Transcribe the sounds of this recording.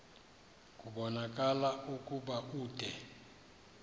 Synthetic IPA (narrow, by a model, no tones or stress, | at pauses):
k̬ʼuɓɔnak̬ʼalaukʼuɓaʔuːd̥ʱɛ